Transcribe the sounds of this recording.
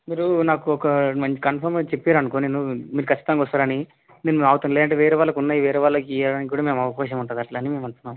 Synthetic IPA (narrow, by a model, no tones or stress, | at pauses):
miːɾunaːkuɔkɐmɐɲt͡ʃi̥kɐnpʰɐɾmet͡ʃepːeɾɐnukoːnenːumiːɾukʰɐt͡ʃːi̥t̪ɐnːkɔst̪aːɾɐni | nenːumaːʋt̪und̪lɛːd̪ɐɳʈeːʋeːɾɛʋaːlːɐkunːaːjiʋeːɾɛʋaːlːɐkijaɽaːnikikɡuːɽaːme̞ːmɐʋɐkaːʃɐmuɳʈund̪ɐʈlɐnime̞ːmɐɳʈ̪unːaːm